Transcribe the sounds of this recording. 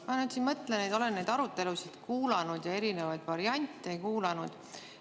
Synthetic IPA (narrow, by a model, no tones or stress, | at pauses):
mɑnyt̪sinmɤt̪ːˑlenejd̪o̞le̞nnejd̪ɑɾut̪ːˑe̞lusid̪̥kuːlɑnud̪̥jɑe̞ɾine̞vɑjd̪̥vɑɾiɑnʲt̪ʲˑːejkuːlɑnud̪̥